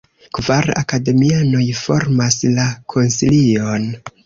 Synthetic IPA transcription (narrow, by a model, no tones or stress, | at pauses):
kvaɾa̰kade̞miano̞jfo̞ɾmaslakʰo̞nsilio̞n